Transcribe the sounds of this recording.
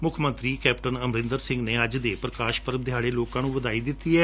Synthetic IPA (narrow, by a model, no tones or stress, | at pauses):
mʊkʰmə̃nt̪ɾiːkɛːpʈənəmɾɪ̃nd̪əɾsɪ̃ŋɡneːəd͡ʒd̪eːpɾəkaːʃpəɾbd̪ʱjaːɽeːloːkãːnũːʋəd̪aːiːd̪ɪt̪ːiːɛː